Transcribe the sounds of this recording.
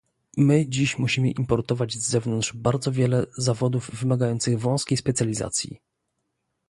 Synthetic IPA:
mɘd͡ʑiɕmuɕimɘʔimpɔɾt̪ɔvad͡ʑvzɛvnɔnt̪ʐ̥baɾd̪zɔvʲjɛlɛzavɔd̪uvːɘmaɡajɔnt̪sɘɣvɔ̃w̃skʲejspɛt̪sʲjalʲiza̰t̪sʲjḭ

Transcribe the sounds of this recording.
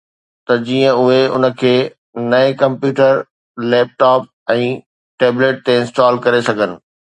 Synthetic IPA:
t̪ɐd͡ʑiːə̃ʊɦeʊ̰nə̆kʰeː | nɐekɐ̃mpjuːʈəɾ | leːp̚ʈaːp̚ | ɛ̃ː | ʈeːbleːʈ̚t̪eɪ̃nsʈaːlkɐɾesɐɡʱənɪ̆

